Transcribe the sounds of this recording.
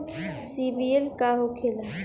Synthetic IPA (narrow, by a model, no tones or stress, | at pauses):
sibielkaɦokʰela